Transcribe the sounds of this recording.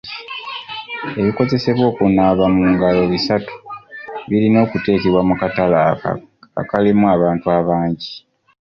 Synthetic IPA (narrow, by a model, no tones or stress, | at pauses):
e̞βiko̞ze̞se̞βwo̞ːkunaːβamuːŋɡalo̞βisatu̥βilino̞ːkute̞ːkiβwamukatala̰ | a̰kalimuaβaːntuaβaːɲɟi